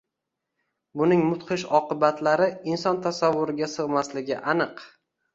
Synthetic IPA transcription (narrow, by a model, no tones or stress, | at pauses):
bʊnɪŋmʊt̪qʰɨʃɒqɨbat̪laɾɪinsɒnt̪ʰasavːʊɾɪɡʲasɨʁmaslɪɡʲɪʔanɨq